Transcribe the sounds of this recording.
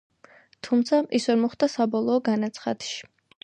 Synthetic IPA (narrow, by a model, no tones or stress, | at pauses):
t̪ʰumt̪sʰaʔisvɛɾmɔχd̪asabɔlˠɔːɡanat̪sʰχad̪̥ʃi̥